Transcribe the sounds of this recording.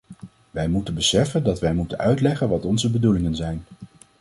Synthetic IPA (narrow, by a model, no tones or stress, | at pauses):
ʋɛjmutənbəsɛfəndɑtʋɛjmutənœɥtlɛχənʋɑtɔnzəbədulɪŋənzɛjn